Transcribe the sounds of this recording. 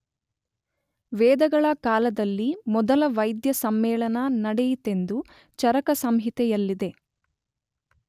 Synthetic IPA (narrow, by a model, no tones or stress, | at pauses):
ʋɛːd̪ɐɡɐɭɐkaːlɐd̪ɐlːimɔd̪ɐlɐʋɐjd̪jɐsɐmːɛːɭɐnɐnɐɽɛjit̪e̞nd̪u | t͡ʃɐɾɐkɐsɐmɦit̪ɛjɐlːid̪e̞